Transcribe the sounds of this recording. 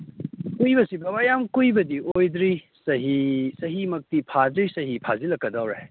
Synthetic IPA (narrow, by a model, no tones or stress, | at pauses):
kujbɐsibɐbajamkujbɐdiojdɾi | sɐɦisɐɦimɐk̚tipʰadɾisɐɦipʰazilɐkːɐdawɾe